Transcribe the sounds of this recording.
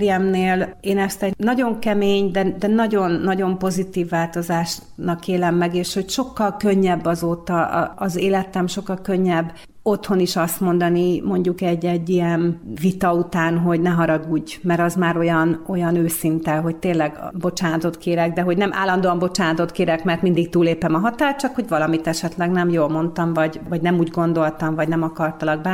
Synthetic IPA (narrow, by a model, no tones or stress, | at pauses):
ɾijɛmneːleːnɛst̪ɛnɒɟo̞ŋkɛmeːɲd̪ɛd̪ɛnɒɟo̞nːɒɟo̞mpo̞zit̪iːvːaːlt̪o̞zaːʃ | nɒkeːlɛmːɛɡeːʃho̞cʃo̞kːɒlkø̞ɲːɛbːɒzoːt̪ɒ̰ɒzeːlɛt̪ɛmʃo̞kːɒlkø̞ɲːɛbː | o̞t̪ho̞niʃɒst̪mo̞nd̪ɒnimo̞ɲɟukɛɟːɛɟːijɛnvit̪ɒut̪aːnɦo̞ɟnɛɦɒɾɒɡuːɟmɛɾɒzmaːɾo̞jɒno̞jɒnøːsint̪ɛɦo̞ct̪eːnlɛɡbo̞t͡ʃaːnɒt̪o̞t̪keːɾɛɡd̪ɛɦo̞ɟnɛmʔa̰ːlːɒnd̪oːɒmbo̞t͡ʃaːnɒt̪o̞t̪keːɾɛkmɛrt̪mind̪ik̚t̪uːlːeːpɛmɒɦɒt̪aːr̚t͡ʃɒkho̞ɟvɒlɒmit̪ɛʃɛt̪lɛɡnɛmjoːlmo̞nt̪ɒmvɒɟvɒɟnɛmuːɟɡo̞nd̪o̞lt̪ɒmvɒɟnɛmɒkɒrt̪ɒlɒɡ̚bɛ